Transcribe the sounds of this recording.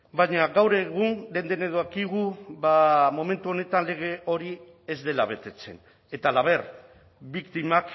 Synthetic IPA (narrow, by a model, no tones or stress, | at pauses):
bajɲaɣawɾe̞ɣ̞unle̞nd̪eneðoakiɣuβamo̞me̞nt̪uo̞ne̞t̪anle̞ɣ̞e̞o̞ɾi | e̞zd̪e̞laβe̞t̪e̞t͡se̞̰n | e̞t̪alaβ̞e̞ɾ | bikt̪imak